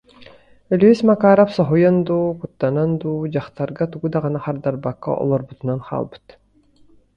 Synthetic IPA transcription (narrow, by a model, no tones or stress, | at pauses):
œlʲyøsmakaːɾapsɔɦujand̪uːkut̪ːanand̪uːd͡ʑaχt̪aɾɡat̪uɡud̪aʁɯnaχaɾd̪aɾbakːa̰ʔɔ̰lˠɔɾbut̪unanχʰa̰ːlˠbɯ̥t̪